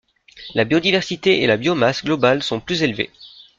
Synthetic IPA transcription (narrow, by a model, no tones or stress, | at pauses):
labjɔd̪ivɛʁsit̪eelabjɔmasɡlɔbalsɔ̃plyzelvḛ